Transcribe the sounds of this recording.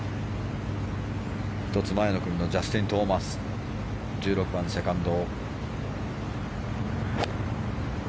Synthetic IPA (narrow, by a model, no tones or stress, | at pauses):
çi̥t̪o̞t͡sɨmae̞no̞kɯ̟mʲino̞d͡ʑasɨ̥t̪ẽnt̪o̞ːmasɨ̥ | d͡ʑɨːɾo̞kɯ̟bãnse̞kãnd̪o̞ː